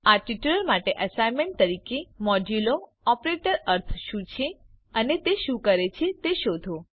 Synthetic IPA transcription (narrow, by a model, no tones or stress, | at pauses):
aʈiʈuləɾmaʈeʔəsajmẽɳʈ̚t̪əɾikemɔd͡ʒulo | ɔpɾeʈəɾəɾt̪ʰʃũt͡ʃʰe | ənet̪eʃũkəɾet͡ʃʰet̪eʃod̪ʱo